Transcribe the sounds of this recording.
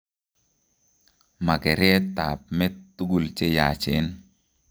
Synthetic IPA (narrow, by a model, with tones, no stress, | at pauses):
ma˨ɡɛ˨ɾjɛ˦tːa˨p̚mɛ˦tːu˦ɡu˨lt͡ʃe˦ja˨t͡ʃe˨˦n